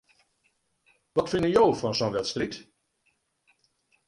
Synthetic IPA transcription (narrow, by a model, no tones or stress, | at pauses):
ʋɑtfɪndəjowfɔnsɔnʋɛtstrit